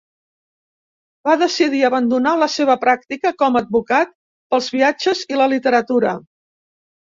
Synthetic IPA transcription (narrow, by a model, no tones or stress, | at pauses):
baðəsiðiəβənd̪unaləseβ̞əpɾak̚t̪ikəkɔməd̪̚bukat̪̚ | pəlˠzβiad͡ʒəziləlit̪əɾət̪uɾə̰